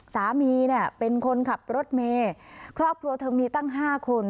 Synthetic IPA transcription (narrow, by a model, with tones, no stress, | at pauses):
saː˩˦miː˧ni˥˩ɐpe˧nkʰo˧nkʰa˨˩p̚ɾo˦˥t̪̚meː˧kʰɾɔː˥˩p̚kʰɾu˧ɐt̪ʰɤː˧miː˧t̪a˥˩ŋɦaː˥˩kʰo˧n